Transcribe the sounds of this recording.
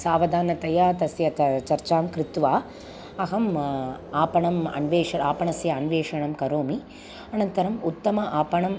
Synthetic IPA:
saːʋɐd̪ʱaːnɐt̪ɐjaːt̪ɐsjɐt̪t͡ʃɐɾt͡ʃaːmkɾɪt̪ʋaː | ɐɦɐmaːpɐɳɐmɐ̰nʋeːʂɐɾaːpɐɳɐsjɐːnʋeːʂɐɳɐmkɐɾoːmi | ɐnɐnt̪ɐɾɐmut̪ːɐmɐʔaːpɐɳɐm

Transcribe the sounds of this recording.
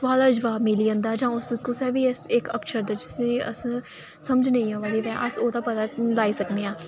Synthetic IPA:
ʋaːlaːd͡ʒəʋaːbmɪliːə̃ːnd̪aːd͡ʒãːʊskʊsɛːʋiːɪsɪkəkʃəɾd̪aːd͡ʒɪsiːə̰s | səməd͡ʒnəĩːõːʋaːd̪iːʋɛ̃ːʔəsoːd̪aːpət̪aːlaːiːsəkneːãː

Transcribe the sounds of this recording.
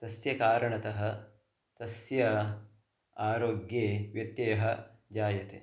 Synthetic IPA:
t̪ɐsjɐkaːɾɐɳɐt̪ɐɦɐ̆ | t̪ɐsjɐ | aːɾoːɡjeːʋjɐt̪jeːɦɐ | d͡ʒaːjɐt̪eː

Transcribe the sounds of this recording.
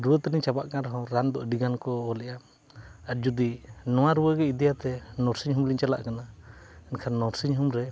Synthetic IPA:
ɾuwət̪əɾiɲt͡ʃabaʔkaɾɦɔ̃ɾand̪ɔʔɖiɡankɔːlɛja | aɾ̚d͡ʒud̪inɔw̃aɾuwəɡɛid̪ijat̪ɛnɔɾsiɲɦumliɲt͡ʃala̰ʔkanaɛnkʰanːɔɾsiɲɦumɾɛ

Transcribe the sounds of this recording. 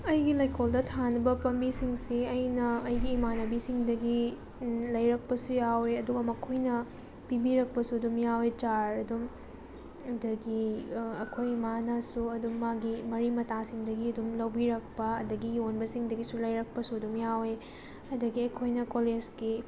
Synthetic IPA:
ɐjɡilɐjkʰoldɐtʰanɐbɐpɐmbisiŋsiɐjnɐɐjɡiːmanɐbisiŋdɐɡi | lɐjɾɐk̚pɐsujaweɐduɡɐmɐkʰojnɐ | pibiɾɐk̚pɐsuɐdumjawet͡ʃaɾɐdum | dɐɡiɐkʰojmanasuɐdumːaɡimɐɾimɐtasiŋdɐɡiɐdumlɐwbiɾɐk̚pɐɐdɐɡijonbɐsiŋdɐɡisulɐjɾɐk̚pɐsuɐdumjawe | ɐdɐɡiɐjkʰojnɐkoled͡ʒɡi

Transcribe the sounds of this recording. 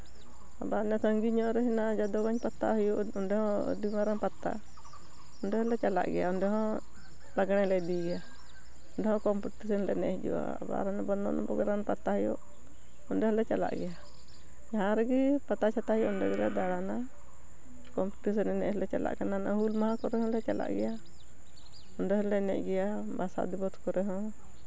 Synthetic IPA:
a̰banɛsaŋɡiɲɔʔɾɛɦinad͡ʒad̪ɔwaɲpat̪ːa̰ɦɔjuɔndɛhɔ̃dimaɾanpat̪ːa̰ | ɔndɛhɔlɛt͡ʃala̰ʔɡɛjaɔndɛɦɔ̃ | laɡñɛlɛdiɡɛa | ɔndɛhɔ̃kɔmput̪isɔnlɛnɛ̰hd͡ʒṵa̰a̰ba̰ɾɛnɛbɔnːɔ̰ʔnɔ̰bɔ̰ɡɛɾanpat̪ːahjɔ̰ | ɔndɛhɔlɛt͡ʃala̰ʔɡɛja | jaɦãɾɛɡipat̪at͡ʃʰat̪ahɛjɔʔɔndɛɡɛlɛd̪aɽana | kɔmpu̥ʈis̬ɛnɛnɛʔhɔlɛt͡ʃala̰ʔkananaʔhulmahãkɔɾɛhɔ̃lɛt͡ʃala̰ʔɡɛja | ɔnɖɛhɔlɛnɛ̰ʔɡɛja | basa̰d̪ibɔt̪kɔɾɛɦɔ̃

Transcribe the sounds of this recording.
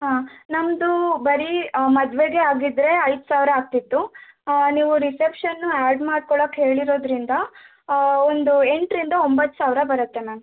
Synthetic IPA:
ɦaːnɐmd̪ubɐɾimɐd̪ʋeɡe̞aːɡid̪ɾe̞ɐjd̪usaːʋɾɐːk̚t̪it̪ːu | niːʋuɾisepʂɐnːuaːɖmaːɖ̚kɔɭoːkɦeːɭiɾo̞ːd̪ɾind̪ɐ | ond̪ue̞ɳʈɾind̪ɐombɐt̪ːu̥saːʋɾɐbɐɾɐt̪ːeman

